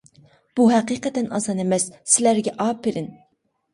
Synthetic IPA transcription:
b̥uɦɛqiqɛt̪ɛnɑ̰sɑnemɛsːɪlæɾɡʲɛʔɑːpʰːeɾɪn

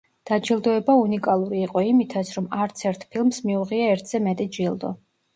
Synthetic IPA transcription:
d̪̥ad͡ʒilˠd̪ɔɛbaunikʼalˠuɾiːqʼɔimit̪ʰat̪sʰɾɔmaɾt̪sʰɛɾt̪ʰpʰilˠmsmiuʁiaɛɾt̪ʰz̥ɛmɛt̪ʼid͡ʒilˠd̪ɔ̰

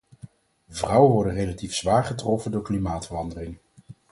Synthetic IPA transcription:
əvrʌwəʋɔɹdənrejlatifsʋaːɹχətrɔfəndʊːɹklimaːtfərɑndərɪŋ

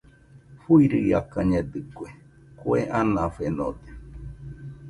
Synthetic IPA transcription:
fuiɾɨjakaɲed̪ɨkwe | kweʔanãfeno̰d̪e̥

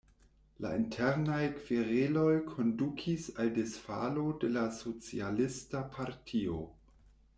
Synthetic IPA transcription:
la̰intʰeɾnajkv̥iɾelo̞jkʰo̞ndukʰisaldesfalo̞de̞laso̞t͡sḭalistapʰaɾtʰio̞̰

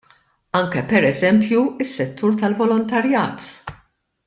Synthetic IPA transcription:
ɐŋkɛpɛɾɛzɛmpjuɪsːɛt̪ːuːɾt̪ɐlvɔlɔnt̪ɐɾjɐːt̪

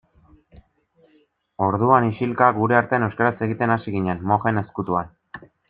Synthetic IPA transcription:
o̞ɾðuaniʃilkaɡuɾe̞aɾt̪eanewskaɾase̞ɣ̞it̪e̞nasiɣiɲenmo̞xe̞ne̞skut̪uan

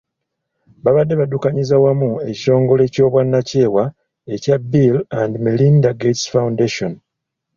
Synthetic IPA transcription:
βaβadːe̞βadukaɲizawamue̞ci̥o̞ːŋɡo̞le̞co̞ːβwanːace̞ːwa | e̞cabːilandimelindaɡetsfawundeʃon

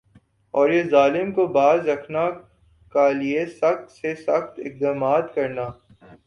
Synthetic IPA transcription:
ɔːɾjezaːlɪmkobaːzɾɐkʰna | kaliesɐxt̪sesɐxt̪ɪk̚d̪aːmaːt̪kɐɾnaː

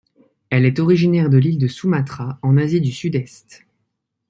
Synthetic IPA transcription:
ɛlɛt̪ɔʁiʒinɛʁd̪əlild̪əsumat̪χaɑ̃nazid̪ysyd̪ɛst̪

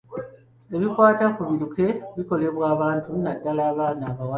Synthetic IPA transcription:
e̞βikwaːtakuβiɾuke̞βiko̞le̞βwaːβaːntunadːalaːβaːnaːβawa

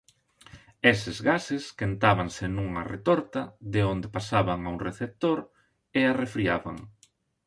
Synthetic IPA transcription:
esɪzɣasɪskent̪aβaŋsɪnuŋɐrḛt̪oɾt̪ɐðeond̪epasaβaŋauŋreθep̚t̪oɾ | earefɾiaβa̰ŋ

